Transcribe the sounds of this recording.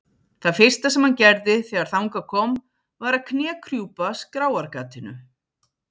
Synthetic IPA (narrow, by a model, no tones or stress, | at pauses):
θaðfɪr̥st̪asɛmhancɛɾðɪθɛːɣaɾ̥θawŋkakʰɔːm | vaɾaðkʰnɛːkʰɾjuːpaskɾaːwaɾkaːt̪ɪnʏ̰